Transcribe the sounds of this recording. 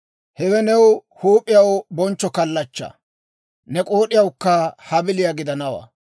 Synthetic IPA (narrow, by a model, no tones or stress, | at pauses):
hɛwɛnɛwhuːpʼːɪjɐwbɔnt͡ʃːɔkɐlːɐt͡ʃːɐ̰ | nɛkʼo̞ːɗɪjɐwkːɐhɐbɪlɪjaɡɪd̪ɐnɐwɐ̰